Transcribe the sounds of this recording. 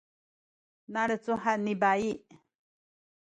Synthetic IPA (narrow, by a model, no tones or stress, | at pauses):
nãɾət͡suɦanĩbai